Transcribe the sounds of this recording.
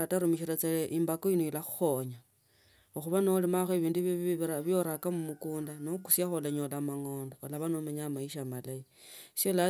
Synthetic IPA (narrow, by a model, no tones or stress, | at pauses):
ataɾumiʃiɾat͡saleʔimbakoinoilaxu̥xo̞ɲa | oxuβanolimaxeβiːnduβiβiɾaβjo̞ɾakamumukuːndanoku̥sjaxolaɲolamaŋo̞ːndoːlaβanomaɲamaiʃamalaisola